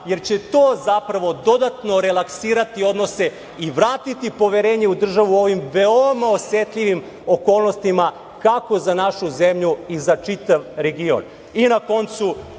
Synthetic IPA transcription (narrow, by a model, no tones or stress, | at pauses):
je̞ɾt͡ɕe̞t̪oːzapɾaʋo̞d̪o̞d̪at̪no̞ɾelˠaksiːɾat̪io̞d̪nose̞ | iʋɾaːt̪it̪ipo̞ʋeɾe̞ːɲe̞ud̪r̩ʒaʋuo̞ʋimʋeomaosʋet̪ʎiʋim | o̞koːlˠnost̪ima | kako̞zanaʃuzemʎuizat͡ʂit̪aʋɾe̞ɡio̰n | inako̞nt̪su